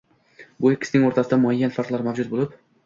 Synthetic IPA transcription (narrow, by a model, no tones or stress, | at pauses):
bʊekʰʲɪ̥snɪŋoɾt̪ʰasɪd̪amʊajːanfaɾq̪lˠaɾmavd͡ʒʊd̪̚bolɪp